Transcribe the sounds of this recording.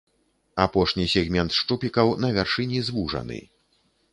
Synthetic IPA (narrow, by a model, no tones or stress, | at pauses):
apɔʂnʲisʲɛɣmʲɛnt̪ʂt͡ʂupʲikɐwnɐvʲɛrʂɨnʲizvuʐɐ̰nɨ̰